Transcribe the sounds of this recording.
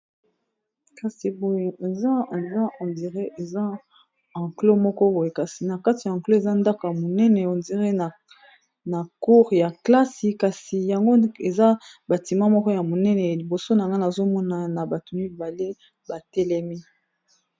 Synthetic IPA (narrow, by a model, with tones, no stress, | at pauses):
ka˨si˨bo˨je˨e˨za˦e˨za˦ɔ˨ndi˨ʁe˦ʔe˨za˦ | ã˨ŋklo˦mɔ˦kɔ˦bo˨je˨ka˨si˨na˨ka˦ti˨ja˨ɑ̃˨klo˦e˨za˦nda˦ka˨ja˨mo˨nɛ˦nɛ˨o˨ndi˨ʁe˦na˨ | na˨ku˦ʁja˨kla˦si˨ka˨si˨ja˨ŋɡo˦e˨za˦ba˨ti˨ma˦mɔ˦kɔ˦ja˨mo˨nɛ˦nɛ˨li˨bo˨so˦na˨ŋɡa˦na˨zo˦mɔ˦na˨na˨ba˨to˨mi˦ba˨le˦ | ba˨tɛ˦lɛ˦mi˦